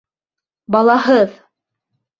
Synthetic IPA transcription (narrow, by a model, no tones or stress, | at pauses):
bɑlˠɑɦɤð